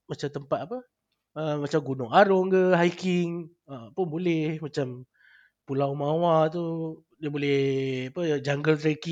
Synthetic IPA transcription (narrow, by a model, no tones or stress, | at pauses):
mat͡ʃamt̪əmpat̪̚apə | əmat͡ʃamɡunʊŋaɾɔŋkəɦajkiŋ | əpʊnbolɛhmat͡ʃam | pulawmawat̪u | diabolɛhapəd͡ʒaŋɡəlt̪ɾeki